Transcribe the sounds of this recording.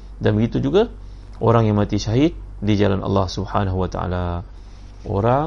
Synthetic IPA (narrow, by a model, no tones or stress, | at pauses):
danbəɡit̪ud͡ʒuɡa | ʔoɾaŋjaŋmãt̪iʃaɦit̪̚ | did͡ʒalana̰lːɑhsubħa̰naɦuwat̪a̰a̰la | ʔo̰ɾa